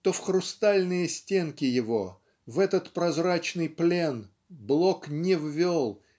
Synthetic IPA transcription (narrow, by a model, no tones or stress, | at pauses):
t̪o̞fxɾʊst̪alʲnɨjəsʲtʲe̞nkʲɪjɪvo̞ | vɛt̪ət̪pɾɐzrat͡ɕnɨjplʲe̞n | blˠoknʲɪvvʲolˠ